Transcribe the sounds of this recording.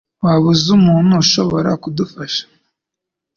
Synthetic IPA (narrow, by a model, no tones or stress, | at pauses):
waβuzumuːn̥uːʃo̞βo̞ɾa̰kudufaʃḁ